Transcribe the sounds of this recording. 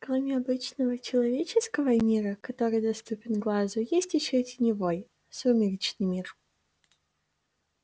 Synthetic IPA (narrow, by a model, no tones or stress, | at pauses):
klˠɐmʲɪɐbɨt͡ɕnəvət͡ɕɪlˠɐvʲet͡ɕɪskəvəmʲiɾəkɐt̪o̞ɾɨjd̪ɐst̪upʲɪnɡlˠazʊjesʲtʲɪɕotʲɪnʲɪvoj | sumʲɪɾʲit͡ɕnɨjmʲir